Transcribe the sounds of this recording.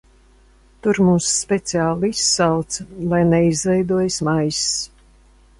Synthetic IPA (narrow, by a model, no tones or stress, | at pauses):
t̪uɾmuːsːpʲɛt̪siaːlˠisːalˠt̪slˠajnɛizvɛjd̪uɔjsmajss